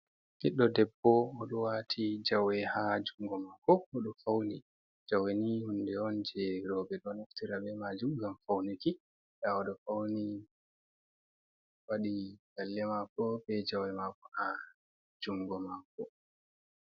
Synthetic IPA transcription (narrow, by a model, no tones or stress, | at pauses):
kiɗːɔdɛbːɔɔɗɔwatʰid͡ʒawɛhad͡ʒuŋɡɔmakɔɔɗɔfawni | d͡ʒawɛnihundɛɔnd͡ʒɛɾɔbɛɗɔnaftiɾabɛmad͡ʒumɡamfawniki | ɗaɔɗɔfawni | waɗiɡalːɛmakɔbɛd͡ʒawɛmakɔ̥ha | d͡ʒuŋɡɔmakɔ